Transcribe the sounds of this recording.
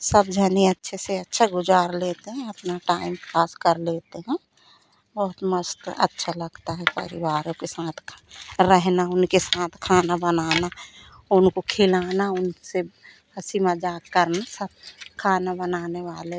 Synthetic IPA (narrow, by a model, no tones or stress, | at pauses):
səbd͡ʒʱəniətːʃʰeseətːʃʰaɡʊd͡ʒaːɾlet̪eɦɛ̃əpnaʈaːɪmpaːskəɾleːt̪eɦɛ̃ | bəɦʊt̪məst̪ə̰tːʃʰaləɡt̪aɦɛpə̰ɾɪwaːɾõkesaːt̪ʰɾɛɦnaʊnkesaːt̪ʰkʰaːnabənaːna | ʊnkokʰeːlaːnaʊnse | əsimad͡ʒaːɡkəɾnasəb̚kʰaːnabənaːneʋaːle